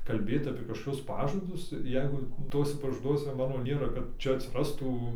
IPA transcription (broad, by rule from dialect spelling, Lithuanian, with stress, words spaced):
kɐlʲˈbʲeːt ɐpʲiɛ kɐʃkoːˈkʲʊs ˈpɑːʒɐdʊs ˈjɛɪɡʊ ˈtuɔsʲɛ pɐʒɐˈduɔsʲɛ ˈmɑːnoː ˈnʲeːrɐ kɐt ˈt͡ʃʲɛ ɐtʲsʲɪˈrɑːstuː